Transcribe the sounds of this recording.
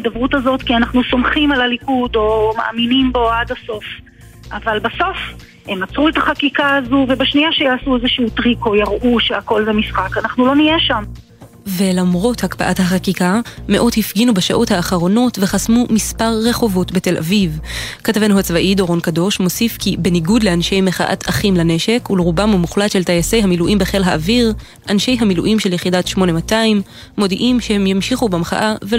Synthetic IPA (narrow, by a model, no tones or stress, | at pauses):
dabʁutazo̞tkianaχnuso̞mχimalalikudo̞ma̰ʔa̰minimbo̞adaso̞f | ʔavalbaso̞f | hemat͡sʁuetaχakikaazuvebaʃnijaʃejaːsuezeʃuːtʁiko̞jaʁʔuʃeako̞lvemisχakanaχnulo̞nijeʃam | ve̞lamʁo̞thakpa̰ʔathaχakikame̞ʔo̞dhifɡinubaʃaʔo̞thaːχaʁo̞no̞tve̞χasmumispaʁːe̞χo̞vo̞tbete̞lʔa̰vivkatave̞nhuat͡svaʔido̞ʁo̞nkado̞ʃmo̞sifkibe̞niɡudleanʃe̞jmeχa̰ʔa̰tʰaχimlane̞ʃe̞kuleʁubamumuχlatʃe̞ltajase̞jhamiluʔimbeχe̞lɦaʔːviʁ | ʔanʃe̞jɦamiluʔimʃeljeχidatʃmo̞nemataimː | o̞diʔimʃehe̞mjamʃiχubemχa̰ʔave